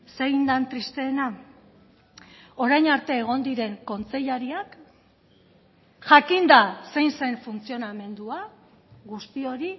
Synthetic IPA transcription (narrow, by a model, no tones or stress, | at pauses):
se̞jnd̪ant̪ɾist̪e̞ːna | o̞ɾajɲaɾt̪e̞ːɣ̞o̞nd̪iɾe̞ŋko̞nt͡se̞ʎaɾiak | ʝakind̪ase̞jnse̞ɱfunt͡sio̞name̞nd̪ua | ɣust̪io̞ɾi